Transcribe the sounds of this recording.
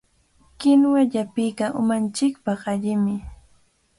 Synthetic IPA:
kɪnwaʎapɪjkaʔʊ̰mant͡ʃɪkpɑχaʎɪmɪ

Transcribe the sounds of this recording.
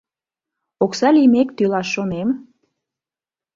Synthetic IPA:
oksɑlimekt̪ylɑʃːonem

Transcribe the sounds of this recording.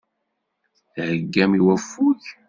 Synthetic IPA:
θhəɡːæmiwæfːuç

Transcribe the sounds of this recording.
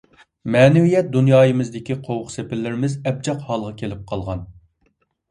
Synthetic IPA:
mɛːnɪwijɛt̪̚d̪unjɑːjɨmɨzd̪ɪkʲiqʰowʊqsepɪɾlːɪɾɪmɪzɛb̚d͡ʒɑqhɑlˠʁɑkʲʰelɪp̚qʰɑlˠʁɑn

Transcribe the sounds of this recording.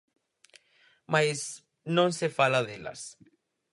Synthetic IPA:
majs | nõŋsefalaðela̰s

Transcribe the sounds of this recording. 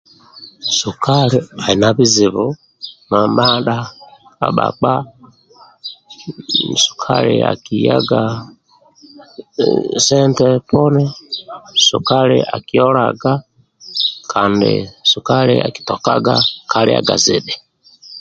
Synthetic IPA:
sukʰaliainaβiziβu | mamaɗaa̰ɓa̰k͡pa | m̩su̥kʰalḭa̰kijaɡa | sɛntɛpɔnɛ | sukalḭʔakiɔlaɡa | kʰandḭsukalia̰ki̥tɔkaɡakʰalia̰ɡaziɗɛ

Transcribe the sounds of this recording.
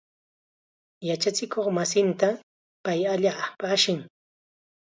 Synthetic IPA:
jat͡ʃat͡sɪkoχmasɪnt̪a | pajaʎaːpaʃɪŋ

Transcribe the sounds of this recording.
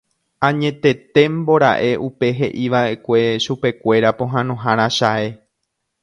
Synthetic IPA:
ãɲẽ̞t̪e̞t̪e̞mbo̞ɾa̰ʔe̞ʔupe̞ɦe̞ʔiʋaʔe̞kʷe̞ʃupe̞kʷe̞ɾapõ̞ɦãnõɦãɾ̃ãʃae̞

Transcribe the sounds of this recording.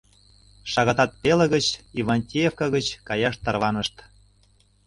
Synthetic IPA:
ʃɑɣɑt̪ɑt̪̚pelə̆ɣə̆t͡ɕivɑnʲt̪ʲijefkɑɣə̆t͡ɕkɑjɑʃt̪ːɑrβɑnəʃt̪

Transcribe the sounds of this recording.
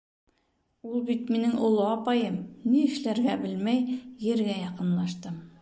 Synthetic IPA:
ulˠbit̪minɘŋʔŏlˠoɑpɑjɤmniɘ̆ʃlæɾɡæbɘlmæjjɘ̆ɾɡæjɑqɤ̆nlˠɑʃt̪ɤm

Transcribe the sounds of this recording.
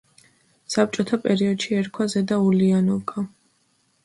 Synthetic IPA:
sap̚t͡ʃʼɔt̪ʰapʼɛɾiɔd̪ʃiɛɾkʰwazɛd̪aulianɔlɡʰa

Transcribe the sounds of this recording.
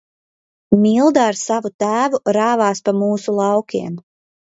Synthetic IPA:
milˠd̪aːɾsavut̪æːvuɾaːvɑːspamuːsulˠɑwkʰʲiɛm

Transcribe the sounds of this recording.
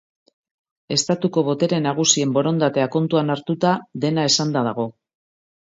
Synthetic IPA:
e̞st̪at̪uko̞β̞o̞t̪e̞ɾe̞naɣ̞usie̞mbo̞ɾo̞nd̪at̪e̞ako̞nt̪uanaɾt̪ut̪aðe̞nae̞sand̪aðaɣ̞o̞

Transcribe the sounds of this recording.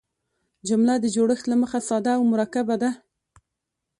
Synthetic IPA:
d͡ʒʊmlad̪əd͡ʒoɽəxt̪laməxasɑd̪aːwmʊɾakabad̪a

